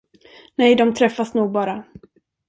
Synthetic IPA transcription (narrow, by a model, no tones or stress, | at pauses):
nɛjd̪ɔmt̪ʰɾɛfːasnuːɡ̚bɑːɾa